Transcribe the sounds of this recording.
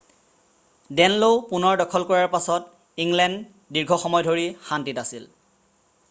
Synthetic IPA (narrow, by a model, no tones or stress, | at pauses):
dɛnlowpunɔɹdɔkʰɔlkɔɹaɹpasɔt | iŋlɛnd | diɹɡʱɔxɔmɔjdʱoɹixantitasil